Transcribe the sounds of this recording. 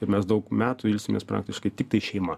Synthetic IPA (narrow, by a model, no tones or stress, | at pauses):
ɪɾmʲɛsd̪ɐʊkmʲæːt̪uɪlʲsʲɪmʲḛːspɾɑ̰ːkt̪ʲɪʃkɐɪt̪ʲɪk̚t̪ɐɪʃʲɛɪmɐ